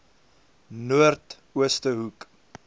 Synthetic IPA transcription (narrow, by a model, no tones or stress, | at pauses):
nuərt | uəstəɦuk